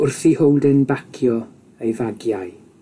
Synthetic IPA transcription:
ʊrθihowdɪnbakʰjɔ | ejvaɡjaɨ

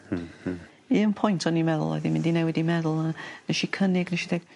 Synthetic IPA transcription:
iənpʰɔjntʰɔnimɛðʊ̰lˠɔ̰ðimɪ̃ndinɛwɛdimɛðʊlˠmanəʃikʰənɪɡnəʃidɛɡ̥

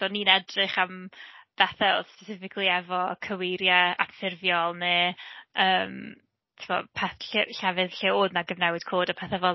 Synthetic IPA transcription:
d̥oniːnɛdrɪχamb̥ɛθɛoðspɛsɪfɪkʰlˠiɛvɔkʰəweɾjaa̰kfɪrvjɔlˠne | əːm | tʰɪbɔ̰pʰaθɬɬɛvɨðɬiːoːðnaɡəvnɛwɨd̥kʰoːdapʰɛθɛvɔ

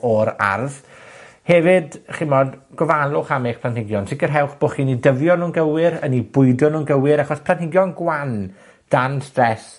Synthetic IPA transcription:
ɔɾa̰rð | hɛvɨdχimɔdɡ̥ɔvalˠʊχameχpʰlˠantɪɡjɔnsɪkərɦɛwχb̥oːχiːnidəvjɔnuːnɡəwɪɾənibʊɨdjɔnuːnɡəwɪɾaχɔspʰlˠanthɪɡjɔnɡwan | d̥anstrɛs

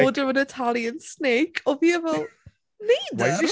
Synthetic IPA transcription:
dəvənɪtʰalˠjə̃nsneːkʰoviəvɛlˠ | niːd

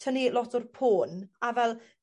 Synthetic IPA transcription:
tʰənilɔtʰʊrpʰoːnavɛlˠ

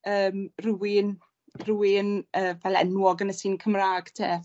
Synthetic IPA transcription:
əːmruwɪn | ruwɪnəːvɛlɛ̰nwɔɡənəsiːnkʰəmraːɡ̥tʰeː

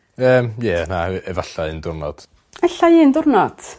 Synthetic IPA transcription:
əːmjɛnaʔɛvaɬaɨndʊrnɔ̰d̥ | ɛɬajiːndʊrnɔd̥

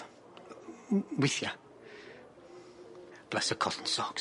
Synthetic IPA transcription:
wɪθja | b̥lɛsəkʰɔtn̩sɔk

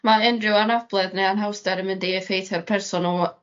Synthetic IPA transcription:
maɪnrɪwanab̥lˠɛðnejanɦawsdɛɾəmɪndiɛfejθʰɛrpʰɛrsɔnu

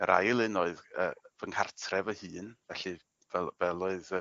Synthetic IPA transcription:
əɾʔa̰jlˠɪnoɨðə̰ːvəŋkʰartʰrɛvəhɨːnvɛɬɨ | vɛvɛlˠoɨð

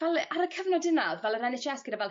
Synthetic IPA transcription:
vɛlˠaɾəkʰəvnɔdɪnaðvɛlˠəɾɛnɪʃiaskɪɾəvɛl

